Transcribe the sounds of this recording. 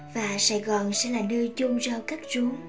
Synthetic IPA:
vaː˨˩saː˧˩jɣɔ˨˩nsɛ̰˧˥laː˨˩nəː˧t͡ɕʊ˧ŋ͡mzɔ˧kaː˦˥k̚zu˨˦ŋ

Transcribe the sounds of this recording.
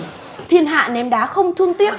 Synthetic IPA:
t̪ʰḭ˧˨ənɦa̰ː˧˨nɛ˨˦mɗaː˨˦xə˧wŋ͡mt̪ʰɨ˧əŋt̪i˦˥əp̚

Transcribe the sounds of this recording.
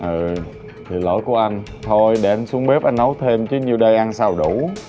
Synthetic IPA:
ʔɨ˨˩ | t̪ʰi˨˩lo̰˧˩˦jku˧˩əʔa˧jŋ̟ | t̪ʰo˧jɗe˧˩ʔa˧n̟su˨˦əŋɓe˦˥p̚ʔa˧jnnə˨˦wt̪ʰe˧mt͡ɕɨ˨˦ɲi˨˩əwɗə˧jʔa˧nsaː˧wɗu˧˩

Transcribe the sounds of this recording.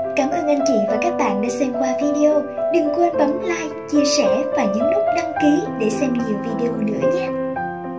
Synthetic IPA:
kaː˧˩mʔəː˧nʔa˧jnt͡ɕḭ˧˩˨vaː˨˩kaː˦˥k̚ɓa̰ː˧˨nɗaː˧˦sɛ˧mkwaː˧vi˧ɗe˧ʔo˧ɗɨ˨˩ŋkwe˧nɓə˨˦mlaː˧jt͡ɕi˧əsɛ˧˩vaː˨˩ɲɨ̰˧˥ŋlʊ˦˥k͡p̚nə˧mki˨˦ɗe˧˩sɛ˧mɲi˨˩əwvi˧ɗe˧ʔo˧nɨ̰˧˥əɲaː˦˥

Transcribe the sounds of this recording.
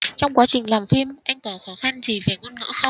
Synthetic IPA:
t͡ɕɔ˧wŋ͡mkwaː˨˦t͡ɕï˨˩ŋ̟laː˨˩mfi˧mʔa˧jŋ̟t̪ɔ˨˩xɔ˨˦xa˧nzi˨˩ve˨˩ŋəː˧nŋə̰ː˧˥xɔ˧

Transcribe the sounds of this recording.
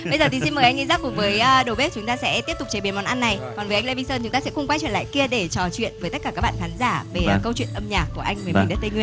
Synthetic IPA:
ɓə˧jzəː˨˩t̪ʰi˨˩si˧nməː˨˩jʔa˧ŋi˧zaː˦˥p̚kʊ˨˩ŋ͡mvəː˨˦jːɗwɓt̚t͡ɕʊ˨˦ŋ͡mt̪aː˧sɛ̰˧˥t̪i˦˥t̪ʊ˨˩k͡p̚t͡ɕeː˨˩ɓi˨˦mɔ˨˩nʔa˧nːa˨˩jkɔ˨˩nvʔjŋla˧vi˧səː˧nt͡ɕʊ˨˦ŋ͡mt̪aː˧sɛ̰˧˥xʊ˧ŋ͡mkwa˧jt͡ɕwḭ˧˨nla̰ː˧˨ki˧əɗe˧˩t͡ɕɔ˨˩t͡ɕwḭ˧˨ənvəː˨˦t̪ə˦˥t̚kaː˧˩kaː˦˥k̚ɓ̰a̰ː˧˨xaː˨˦nzaː˧˩ve˩˨˩kə˧wt͡ɕwḭ˧˨ənʔə˧mɲaː˨˩k̚ːu˧˩əʔa˧jŋ̟məː˨˩mi˨˩ɗaː˨˦t̪̚ə˧jŋwi˧ə

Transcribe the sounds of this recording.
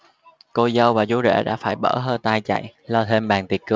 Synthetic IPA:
ko˧zə˧wvaː˨˩zu˨˦ɗɛ̰˧˩ɗa̰ː˧˥faː˧˩jɓə̰ː˧˩ɦəː˧t̪aː˧jt͡ɕa̰˧˨jʔlɔ˧t̪ʰe˧mɓaː˨˩ŋt̪i˨˩ət̚kɨ˨˧˩

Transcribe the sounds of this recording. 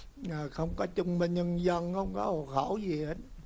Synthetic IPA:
əː˨˩xə˧wŋ͡mkɔ˨˦t͡ɕʊ˧ŋ͡mmï˧ŋ̟ɲə˧nzə˧nxə˧wŋ͡mkɔ˨˦ho̰˨xə˧˩zi˨˩hə˨˦t̚

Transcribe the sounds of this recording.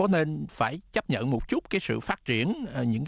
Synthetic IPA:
ɔ˨˦ne˧nfaː˧˩jt͡ɕə˦˥p̚ɲə̰˧˨nmo˨˩t̚t͡ɕu˦˥t̚kaː˨˦jsɨ̰˧˨faː˦˥t̚t͡ɕi˧˩ən˩ɲɨ̰˧˥ŋ

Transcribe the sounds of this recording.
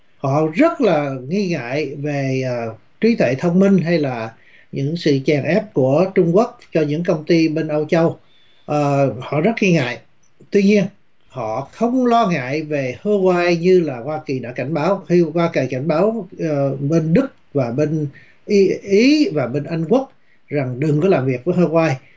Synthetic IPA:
hɔ̰˧˨zə˦˥t̚laː˨˩ŋi˧ŋa̰ː˧˨jveː˨˩˨ | t͡ɕwi˨˦t̪ʰwḛ˧˨t̪ʰə˧wŋ͡mmï˧ŋ̟ɦa˧jlaː˨˩ | ɲɨ̰˧˥ŋsɨ̰˧˨t͡ɕaː˨˩ŋʔɛ˦˥p̚ku˧˩ət͡ɕʊ˧ŋ͡mku˦˥ək̚t͡ɕɔ˧ɲɨ̰˧˥ŋkə˧wŋ͡mt̪i˧ɓe˧nʔə˧wt͡ɕə˧w | ʔəː˨˩hɔ̰˧˨zə˦˥t̚ŋi˧ŋa̰ː˧˨j | t̪wi˧ɲi˧ən | hɔ̰˧˨xə˧wŋ͡mlɔ˧ŋa̰ː˧˨jve˨˩hə˧kwaː˧jɲɨ˧laː˨˩hwaː˧ki˨˩ɗa̰ː˧˥ka˧˩jŋ̟ɓaː˨˦whhwaː˧ki˨˩ka˧˩jŋ̟ɓaː˨˦w | ɓe˧nɗɨ˦˥k̚vaː˨˩ɓe˧n | ʔi˨˦ʔi˨˦vaː˨˩ɓe˧nʔa˧jŋ̟ku˦˥ək̚ | za˨˩ŋɗɨ˨˩ŋkɔ˨˦laː˨˩mvi˨˩ək̚vəː˨˦jhəː˧kwaː˧j

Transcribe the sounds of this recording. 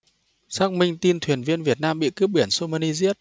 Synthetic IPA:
saː˦˥k̚mï˧ŋ̟t̪i˧nt̪ʰwi˨˩ənvi˧ənvi˨˩ət̚naː˧mɓḭ˧˨kɨ˦˥p̚ɓi˧˩ənso˧maː˧ni˧zi˦˥ət̚

